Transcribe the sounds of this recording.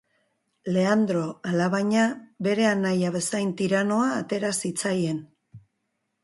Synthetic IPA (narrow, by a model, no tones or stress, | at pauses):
le̞and̪ɾo̞alaβaɲabe̞ɾe̞anajaβe̞sajnt̪iɾano̞aːt̪e̞ɾasit͡saje̞n